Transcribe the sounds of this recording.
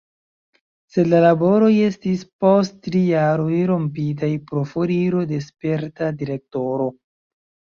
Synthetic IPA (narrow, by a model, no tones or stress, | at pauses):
se̞lalabo̞ɾo̞je̞stispo̞sttɾijaɾo̞jɾo̞mpit̬ajpɾofoɾiɾo̞de̞spe̞ɾtadiɾe̞k̚to̞ɾo̞